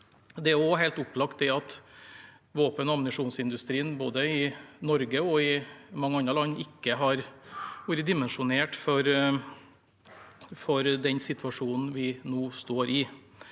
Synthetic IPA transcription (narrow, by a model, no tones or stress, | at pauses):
d̪ɛæɾɔɦɛɪlt̪ʊplɑkt̪̚d̪ɛɑt̪ | ʋoːpənɑmnɪʂuːnsɪnd̪ʉst̪ɾiːnboːd̪əɪnɔɾɡəɔɪmɑŋːəɑnɾəlɑnːɪkːəɦɑɾʋʉːɾəd̪ɪmɛnʂʊneːʈfɔɾ | fɔɾd̪ɛɲsɪt̪ʰʋɑʂuːnn̩ʋɪnoːst̪oːɾʔɪ